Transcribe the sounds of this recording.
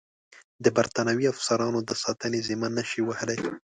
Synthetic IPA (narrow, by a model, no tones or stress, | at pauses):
d̪əbaɾt̪ɑnawiafsaɾɑnod̪əsɑt̪ənezimanaʃiwahəlaj